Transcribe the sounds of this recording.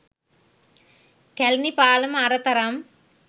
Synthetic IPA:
kɛlnipaːlɐmɐɾɐt̪ɐɾɐm

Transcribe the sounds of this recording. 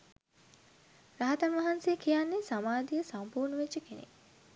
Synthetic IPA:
ɾaɦat̪anʋaɦansejkʰijanːesamaːd̪ijəsampuːrnəʋet͡ʃːəkenḛ

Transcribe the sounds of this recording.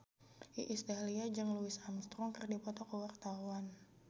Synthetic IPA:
ʔḭʔist̪aliad͡ʒɨŋluɪsamst̪ɾɔŋkɨrdipɔt̪ɔkəwart̪awan

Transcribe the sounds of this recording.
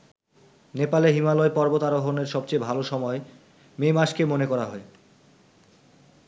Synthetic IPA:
nepaleɦimalɔepɔɾbot̪aɾoɦoneɾʃɔb̚t͡ɕejbʱaloʃɔmɔe | memaʃkemonekɔɾaɦɔe

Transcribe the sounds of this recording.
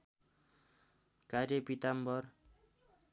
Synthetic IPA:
karjʌpit̪ambʌr

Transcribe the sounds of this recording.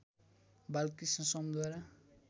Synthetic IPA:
balkisãsʌmd̪waɾa

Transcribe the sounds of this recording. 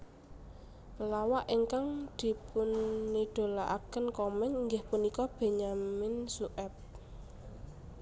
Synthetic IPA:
pəlawaʔiŋkaŋd̪̥i̤pʊnːiɖ̪̥o̤laʔa̰kənkɔmɛnŋɡɪhpunikɔb̥e̤ɲamɪnsuʔɛp̚

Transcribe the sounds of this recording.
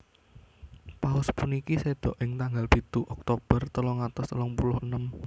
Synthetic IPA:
paʊspunikised̪̥ɔʔɪŋt̪aŋɡalpit̪uʔɔk̚t̪ob̥ərt̪əlɔŋat̪ɔst̪əlɔŋpulʊhənəm

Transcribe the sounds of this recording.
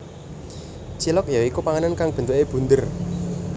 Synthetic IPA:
t͡ʃilɔk̚jaikupaŋanankaŋb̥ə̤nt̪uʔeb̥ṳnd̪ər

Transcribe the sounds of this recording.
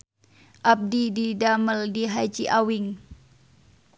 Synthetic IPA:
ʔap̚dididaməldiɦad͡ʒiʔawɪŋ

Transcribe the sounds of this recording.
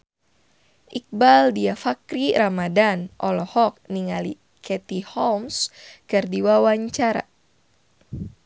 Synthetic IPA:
ʔik̚baldiafakɾiɾamadanʔɔlɔhɔk̚niŋali | kʰɛt̪ihɔlmskɨrdiwawaɲt͡ʃaɾa̰

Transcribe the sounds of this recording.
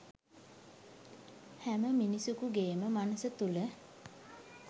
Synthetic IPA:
hæməminisukuɡeːməmanəsət̪ulə

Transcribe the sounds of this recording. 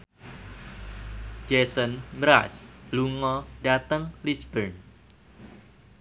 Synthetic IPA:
d͡ʒesənmɾasluŋɔɖat̪əŋlisbərn

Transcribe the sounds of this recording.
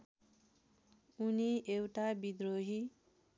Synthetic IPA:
uniewʈabid̪ɾoɦi

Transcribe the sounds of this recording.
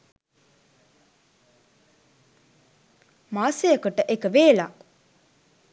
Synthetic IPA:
maːsejəkuʈəʔekəʋeːla

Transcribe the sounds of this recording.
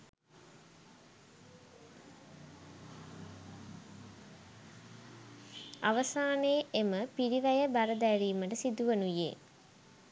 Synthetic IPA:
aʋəsaːneːʔeməpiɾiʋæjəbaɾəd̪æɾiːməʈəsid̪uʋənujḛ

